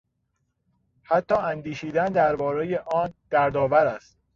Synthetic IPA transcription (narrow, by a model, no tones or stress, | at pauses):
hæt̪ʰːɒːænd̪iːʃiːd̪ænd̪æɾbɒːɾejeʔɒːnd̪̥æɾd̪ɒːvæɾæst̪